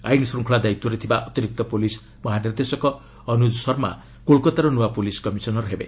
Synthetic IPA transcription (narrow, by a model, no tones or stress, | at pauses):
a̰jnsruŋkʰɭad̪ajt̪ːuɾet̪ʰibaʔʌt̪iɾik̚t̪ʌpolis | mʌɦanird̪esʌkʌː | nud͡zsʌrma̰ | kolkɔt̪aɾonuwapoliskʌmisʌnʌrɦebḛ